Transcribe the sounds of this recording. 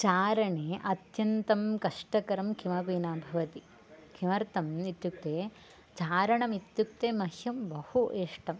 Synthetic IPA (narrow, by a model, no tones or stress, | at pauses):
t͡ʃaːɾɐɳeːʔɐt̪jɐnt̪ɐmkɐʂʈɐkɐɾɐmkʰimɐpiːnaːbʱɐʋɐt̪i | kʰimɐɾt̪ɐmit̪juk̚t̪eː | t͡ʃaːɾɐɳɐmit̪juk̚t̪eːmɐhjɐmbɐhuʔeːʂʈɐm